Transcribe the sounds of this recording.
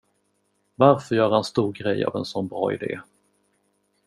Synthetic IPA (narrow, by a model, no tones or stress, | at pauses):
vaɾfœɾjœːɾhanst̪uːɾɡɾɛjːa̰vɛnsɔnbɾɑ̰ːɪd̪ḛː